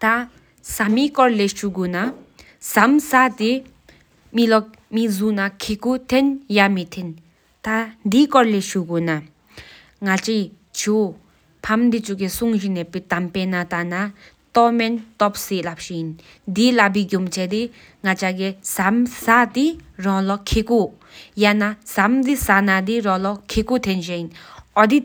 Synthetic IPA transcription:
t̪a | samikɔɹlɛʃuɡuna | samsat̪i | milɔk̚ | mizunakʰikut̪ʰenjamit̪ʰen | t̪and̪ikɔɹlɛʃuɡuna | ŋat͡ʃi | t͡ʃʰu | pʰamd̪it͡suʔkisuŋʑinɛpit̪ampenat̪ana | t̪ɔmɛnt̪ɔp̚siʔlap̚ɕijin | d̪ilap̬iɡumt͡ɕʰɛd̪i | ŋat͡ɕaɡesamsad̪irɔlɔkʰeku | janasamd̪isanad̪iɾɔ̃lɔkʰekut̪ʰenɕejinʔɔd̪i

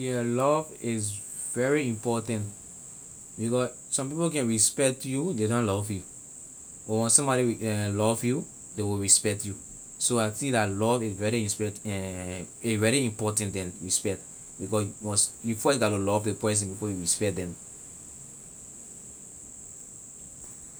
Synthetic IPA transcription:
jɔlɔvɪz | vɛɹiĩmpɔtãnt | bikɔs | sɔ̃mp̬ipokɛ̃nɹispɛk̚tjũndedõnlɔvju | ɔwɛ̃nsɔ̃mbɔɾiwɛlɔvju | dewiɹispɛk̚tju | soaɪθĩdalɔvizvɛɹiĩspɛtɛ | evɛɹiĩmpɔtãntdɛ̃nɹispɛk̚t | bikɔswɔ̃nsjufɔɡatulɔvdepɹɛs̬ɛ̃npipojuɹispɛkt̚dɛ̃m

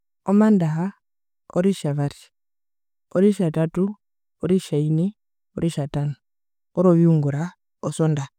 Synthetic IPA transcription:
ɔmandaɦa | ɔɾiʃaβaɾi̥ | oɾiʃatatu | ɔɾiʃaini | ɔɾiʃatanɔ | ɔɾoβiuŋɡuɾa | ɔsɔnda

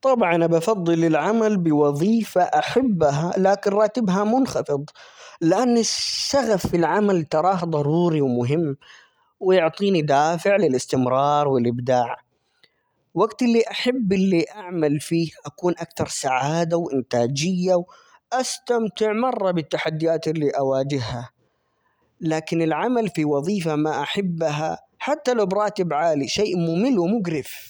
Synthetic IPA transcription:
t̪ˤɑbʕɑnabɑfɑd̪ˤːɨlɪlʕamalbɪwɑðˤiːfaʔaħabːɦalaːkɪnɾˤɑːt̪ɪbɦamʊnxɑfɨd̪ˤlɪʔanːɪsːaɣafːilʕamalt̪ɑɾˤɑːhd̪ˤɑɾˤuːɾiwmʊɦɪmː | wɪjʊʕt̪ˤiːnid̪aːfɪʕlɪlɪst̪ɪmɾˤɑːɾˤwɪlʔɪbd̪aːʕ | waɡt̪ɪlːiʔaħabːɪlːiʔaʕmalfiːhʔakuːnʔakt̪ɑɾˤsaʕaːd̪awʔɪnt̪aːd͡ʒɪjːaw | ʔast̪amt̪ɪʕmɑrˤːɑbɪt̪ːaħad̪ːɪjaːt̪ɪlːiʔawaːd͡ʒɪɦha | laːkɪnɪlʕamalfiwɑðˤiːfamaʔaħabːɦa | ħat̪ːalawbɾˤɑːt̪ɪbʕaːliʃeːʔmʊmɪlːwɪmʊɡɾɪf

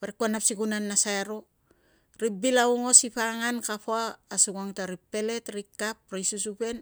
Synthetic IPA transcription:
βaɾikuanapsikunanːasaeɾo | ɾip̚bilauŋo̞sipaŋankapoaːsuɡaŋtaɾipːe̞le̞tɾikːapɾajsusupe̞n

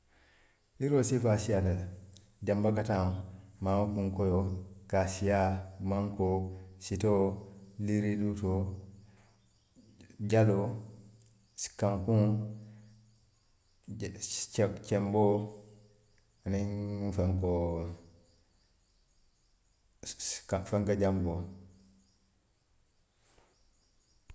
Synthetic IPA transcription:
iɾosifasijata | ɟambakataŋmamukuŋkojokasijamaŋkositoliɾiduto | ɟalo | skaŋkũŋ | t͡ʃt͡ʃembo | aniŋfaŋko | kafaŋkad͡ʒambo

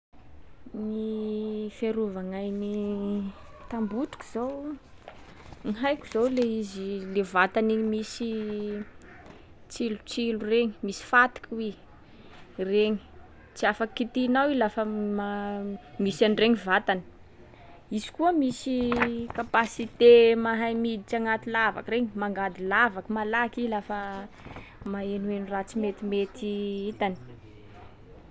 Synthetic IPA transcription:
ni | feɾuvaŋajni | t̪ambuʈ͡ʂu̥ku̥z̥ow | ŋiɦajkʲu̥z̥owleizilevat̪aniɲmisi | t͡silut͡silureŋi̥misi̥fat̪i̥kʰwe | reɲi̥ | t͡siafakit̪inawilafəmamisanreŋivat̪ani̥ | izi̥kuəmisikapasit̪emaɦajmid̪it͡ʃaŋat̪ilava̰kəreɲimaŋɡad̪ilavakəmalakilafə | maenuenurat͡simet̪imet̪iit̪ani̥

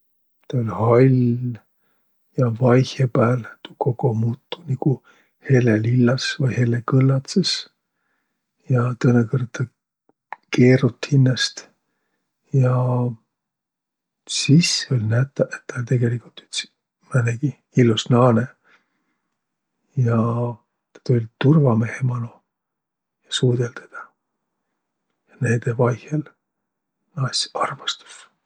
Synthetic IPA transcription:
t̪ɑolʲhɑlʲ | jɑvɑjhepæːlt̪u̥ko̞ko̞muːt̪ːu̥niku | he̞lelilːɑsvɤjhe̞lekɤlːɑt̪ses | jɑt̪ɤnekɤrɑ | ke̞ːrut̪hinːɑst̪ | jɑ | siseo̞lʲnæt̪ːˑɑʔet̪ːɑt̪e̞ɡe̞likult̪y̥t̪s | mæneɡ̥i | ilːusnɑːne | jɑ | t̪ɑ̥t̪ulʲt̪urvɑme̞hemɑnu | jɑsuːd̪̥elt̪ed̪̥ɑ | jɑned̪evɑjhel | nɑsʲɑrmɑst̪u̥s

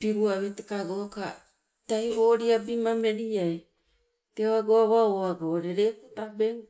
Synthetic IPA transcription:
piɾuaβetekaɡoka̰ | tajβoɾiabimameɾiaj | teoaɡoaβaoaɡoɾeɾekutabeŋ

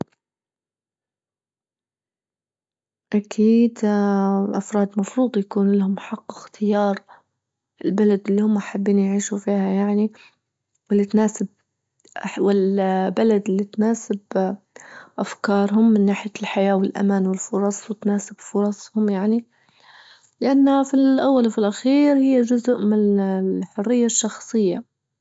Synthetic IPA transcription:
ʔakʰiːd̪ | ʔafɾˤɑːd̪mɑfɾuːd̪ˤjakuːnlahʊmħaqːɪxt̪ʰɪjɑːɾˤ | ʔɪlbalad̪ɪlːihʊmːaʔħabːiːnjʕiːʃufiːhajaʕni | wɪlːit̪naːsɪb̚ | ʔawɪlbalad̪ɪlːit̪naːsɪb | ʔafkɑːɾˤɦʊmːɪnːaːħɪjalħajaːwɪlʔa̰manwɪlfʊɾˤɑsˤwɪt̪naːsɪb̥fʊɾˤɑsˤhʊmjaʕni | lɪʔanːafilʔawːalfɪlʔaxiːɾhɪjːad͡ʒʊzʊʔmɪnħʊrːɪjːaʃːɑxsˤɨjːa

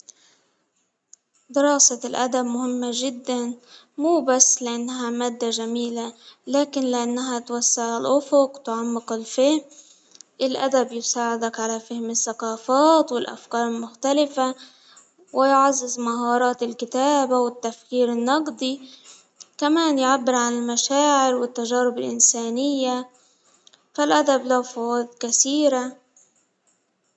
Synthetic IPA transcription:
d̪ɪɾˤɑːsalʔa̰d̪abmʊhɪmːaʒɪd̪ːan | muːbasːlɪʔanːɦamaːd̪ːaʒamiːlalaːkɪnlɪʔanːaɦat̪wasːɪʕɪlʔʊfʊqt̪ʕamːɪqɪlfɪhm | ʔɪlʔa̰d̪abjʊsaːʕɪd̪akʕalafɪhmɪsːaqɑːfaːt̪wɪlʔa̰fkɑːɾˤɪlmʊxt̪alɪfa | wɪjʕɑzˤːɨzmaɦɑːɾˤɑːt̪ɪlkɪt̪aːbawɪt̪ːafkiːɾɪnːɑqd̪ˤi | kamaːnjʕabːɪɾʕanɪlmaʃaːʕɪɾwɪt̪ːaʒaːɾɪbɪlʔɪnsaːnɪjːa | falʔad̪ablawfawaːd̪kaθiːɾa

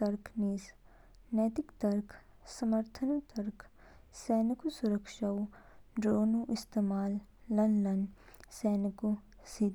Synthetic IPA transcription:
t̪ɐɾkʰniːs | nɛːt̪ɪkt̪ɐɾkʰ | sɐməɾt̪ʰənut̪ɐɾkʰsɛːnikusʊɾəkʃawɖɾoːnuʔɪst̪eːmaːlː | ɐnɖɐn | sɛːniku | sid̪

